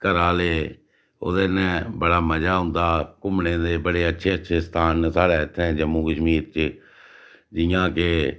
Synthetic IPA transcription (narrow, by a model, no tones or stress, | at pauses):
kəɾaːleː | o̰ːd̪eːnɛ̃bəɽaːməd͡ʒaːɦʊ̃nd̪aːkʊmnẽːd̪eːbəɽeːətːʃʰeːətːʃʰeːst̪ʰaːnsaːɽɛːɪt̪ʰːɛ̃ːd͡ʒəmːuːkəʃmiːɾt͡ʃ | d͡ʒɪjãːke